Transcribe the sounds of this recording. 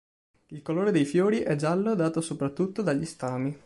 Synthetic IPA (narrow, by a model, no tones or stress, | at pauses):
ilkoloːɾed̪ejfjoːɾiʔɛd͡ʒalːod̪aːt̪osopɾat̪ːut̪ːod̪aʎːist̪aːmi